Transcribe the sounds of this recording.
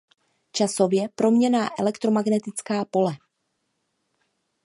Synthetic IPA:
t͡ʃaso̞vjɛpɾo̞mɲɛnaːʔɛlɛkt̪ɾo̞maɡnɛt̪ɪt͡skaːpo̞lɛ

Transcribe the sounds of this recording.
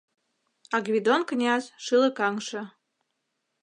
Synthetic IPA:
ɑɡβʲid̪onknʲɑzʃɨlə̆kɑŋʃɤ̆

